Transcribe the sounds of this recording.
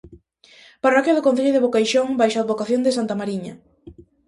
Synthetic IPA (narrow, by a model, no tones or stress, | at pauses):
parɔkjaðʊkon̟θeʎʊðɪβokajʃoŋbajʃad̪βokaθjond̪ɪsant̪amaɾiɲɐ